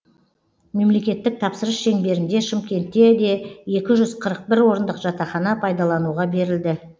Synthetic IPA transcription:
me̞mle̞kʲe̞t̪ːɪk̚t̪ʰɑpsəɾəsʃe̞ŋbe̞ɾɪnd̪e̞ʃɪmkʲe̞nt̪ːe̞d̪e̞e̞kʲɪʒʏzqʰəɾəq̚bɪɾwo̞ɾənd̪əqʒ̥ɑt̪ɑχɑnɑpʰɑjd̪ɑlˠɑnuʁɑbe̞ɾɪld̪ɪ

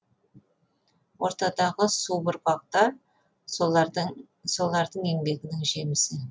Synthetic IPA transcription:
wʔo̞ɾt̪ɑd̪ɑʁəsubʊɾpɑq̚t̪ɑɾ | so̞lˠɑɾd̪əɴe̞ŋbe̞ɡʲɪnɪŋʒe̞mɪsɪ

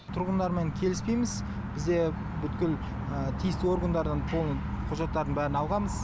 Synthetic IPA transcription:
t̪ʰʊɾʁənd̪ɑɾme̞ŋkʲʰe̞lɪspe̞jmɪz | b̥ɪzd̪e̞ | bʏt̪kʲɪl | ət̪ʰijɪst̪ɪo̞ɾɡənd̪ɑɾd̪ɑnt̪ʰolˠən | qʰʊʒɑt̪ːɑɾd̪əɴbæɾɪnɑlˠʁɑməz

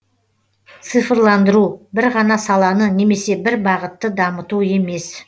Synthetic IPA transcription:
t̪sɨfəɾlˠɑnd̪əɾubɪɾʁɑnɑsɑlˠɑnəne̞me̞se̞bɪɾbɑʁət̪ːəd̪ɑmət̪ue̞me̞s

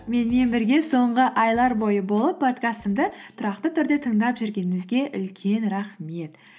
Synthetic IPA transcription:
me̞nme̞nbɪɾɡʲe̞so̞ɴʁəʔɑjlˠɑɾbo̞jəbo̞lˠəpʰːo̞t̪kast̪əmd̪ət̪ʰʊɾɑqt̪ət̪ʰʏɾd̪e̞t̪ʰəɴd̪ɑpʒʏɾɡʲe̞nɪmɪzɡʲe̞ʔʏlkʲʰe̞nɾɑχme̞t̪

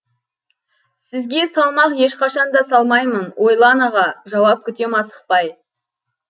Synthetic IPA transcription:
sɪzɡʲe̞sɑlˠmɑqje̞ʃqɑʃɑnd̪ɑsɑlˠmɑjmənwʔo̞jlˠɑnɑʁɑʒɑwɑp̚kʲʰʏt̪emɑsə̥q̚pɑj

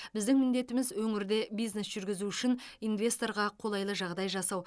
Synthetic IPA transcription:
bɪzd̪ɪŋmɪnd̪e̞t̪ɪmɪzwɵŋɪɾd̪e̞bijzne̞sʒ̥ʏɾɡʲɪzuʏʃɪninvʲe̞st̪o̞ɾʁɑqʰo̞lˠɑjlˠəʒɑʁd̪ɑjʒɑsɑw

